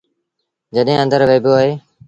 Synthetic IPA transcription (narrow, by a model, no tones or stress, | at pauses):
d͡ʒəɗɦẽːə̃nd̪əɾʋeːboːaːɦeː